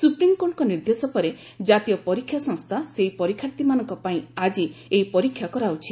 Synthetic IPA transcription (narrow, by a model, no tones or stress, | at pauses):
supɾimkoʈkɔniɾd̪esɔpɔɾe | d͡ʒat̪ijɔpɔɾikʰːjasɔ̃ŋst̪ʰaseɦipɔɾikʰːjaɾt̪imanɔŋkɔpaĩad͡ʒieɦipɔɾikʰːjakɔɾaut͡ʃʰi̥